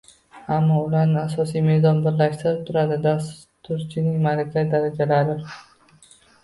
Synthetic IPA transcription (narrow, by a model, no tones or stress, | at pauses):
amːɒʊlaɾnɪasɒsijme̞zɒnbɪɾlaʃt̪ɪɾɪp̚t̪ʰʊɾad̪ɪd̪as | t̪ʊɾt͡ʃʰɪnɪŋmalakʲʰat̪̚d̪aɾad͡ʒalaɾɪ